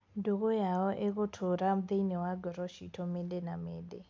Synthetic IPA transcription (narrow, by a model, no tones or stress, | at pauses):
ndukɔjaɔʔek̬ʊtʰʊɾam̩d̪einɛwaɡɔɾɔʃitʰɔmɛlɛnamɛːdɛ